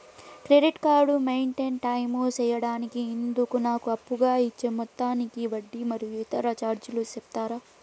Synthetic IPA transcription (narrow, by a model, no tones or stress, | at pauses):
kɾeɖiʈkaːɾɖumejɳʈenʈɐjmoːt͡ʃɛːjɐɽaːnikiːnd̪ukunaːkuɐpːuɡaːit͡ʃːemɔt̪ːaːnikiʋɐɖːimɐɾijuit̪ɐɾɐt͡ʃaːɾd͡ʒulusep̚t̪aːɾaː